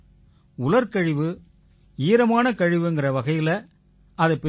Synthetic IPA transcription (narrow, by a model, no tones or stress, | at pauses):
ʊlɐɾkɐɻɪʋɯ | iːɾɐmaːnɐkɐɻɪʋɯɛnɡɪrɐʋɐɣɐjɪlɐ | ɐðɐpːɛ